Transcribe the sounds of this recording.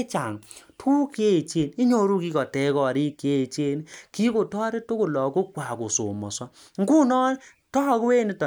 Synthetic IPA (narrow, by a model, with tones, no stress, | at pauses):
t͡ʃa˨ŋtʰu˦ke˦˨t͡ʃe˦˨ni˦ɲo˨ɾu˦ki˦kɔ˨tɛ˨˦kɔ˨ɾi˦kje˦˨t͡ʃe˦nki˦ko˨tɔː˦ɾe˦to˦kʊ˨lɔ˨ko˦kwa˨ko˨so̰˨mɔ̰˨sɔ˦ | ŋ̩˦ɡu˦nɔ˦ | tɔ˦kwe˦ni˦tɔ˨